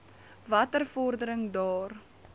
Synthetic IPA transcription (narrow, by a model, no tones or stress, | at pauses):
vɐtərfɔrdəɾəŋdɑːr